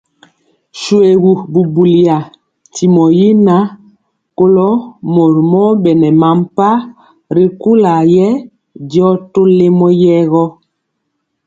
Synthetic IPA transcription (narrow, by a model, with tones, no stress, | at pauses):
ʃu˨e˨ɣu˨bu˨bu˨li˨a˨ | ti˨mɔ˨ji˦na˦ | ko˦lɔ˦mo˨ɾmɔ˦bɛ˨nɛ˨ma˨˦m˦pa˦ | ɾi˨ku˦la˨jɛ˦ | di˦ɔ˦to˦le˦mɔ˦jɛ˦ɣɔ˦